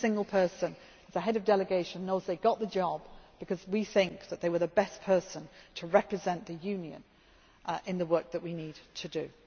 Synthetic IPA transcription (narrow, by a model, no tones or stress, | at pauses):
sɪ̃ŋɡəl̩ˠpʰɜ˞sə̃n | ɨz̥əɦɛɾʌvdɛlɨɡeɪʃə̃nːoʊzðeɪɡɑʔ̪̚ðɨd͡ʒɑbb̥ɨkʰʌzwiθɪ̃ŋk̚ðət̪̚ðeɪwə˞ðəbɛspʰɜ˞sə̃ntʰəɹɛpɹ̥ɨzɛ̃nðɨjʉ̃njɨ̰̃n | ɪ̃nðəwɜˑ˞k̚ðəʔ̚winid̚tʰɨdɨ